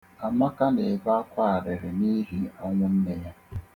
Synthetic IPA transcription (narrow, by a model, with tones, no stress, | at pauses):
a˨ma˦ka˦ne˨ba˦kʷa˦a˨ɾɪ˨ɾɪ˨ni˦ɦi˦a˦ŋʷʊ˦n̩˦ne˦ja˦